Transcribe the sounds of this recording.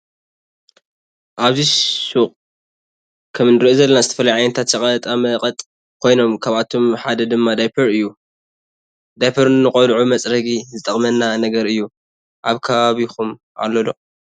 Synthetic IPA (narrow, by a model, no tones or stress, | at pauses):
ʔaβzisuχʼ | kʰɐmnɨɾiʔozɐlːɐnazɨt̪ʰɐfɐlajʕajnɐt̪ʰat̪jɐkʼɐlt̪ʼamɐqʼɐt̪ʼ | kʰo̞jno̞mkʰaβat̪ʰo̞mħad̪ɐd̪ɨmːad̪ajpʰɐɾɨjːu | d̪ajpʰɐɾːɨqʼɐlʕumɐt͡sʼɾɐɡizɨt̪ʼɐχʼmɐnːanɐɡɐɾɨjːu | ʔaβkʰɐβaβixum | ʔa̰lːolo